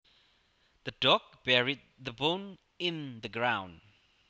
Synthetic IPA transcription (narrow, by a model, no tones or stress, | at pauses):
ðədɔk̚b̥ɛɹid̪̚ðəbõn | ɪ̃nðəɡɹãʊ̃nd